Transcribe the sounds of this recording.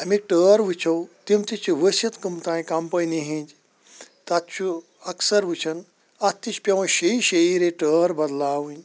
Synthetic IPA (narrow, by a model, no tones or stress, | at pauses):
ɐmik̚ʈəːɾʋɨt͡ʃʰɐwt̪imt̪it͡ʃʰuʋəsɐt̪kɨmt̪ãːĩkɐmpɐjniɦĩd͡ʒ | t̪ɐt̪̚t͡ʃʰu | ɐksɐɾʋɨt͡ʃʰɐn | ɐt̪ːit͡ʃʰpʲɐʋɐ̃ʃeiʃeiɾeʈəːɾbɐd̪laːʋɨ̃nʲ